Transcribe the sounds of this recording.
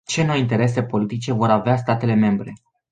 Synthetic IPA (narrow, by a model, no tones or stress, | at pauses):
t͡ʃe̞nojint̪e̞ɾe̞s̬e̞po̞lit̪it͡ʃe̞vo̞ɾaveast̪at̪e̞le̞me̞mbɾe̞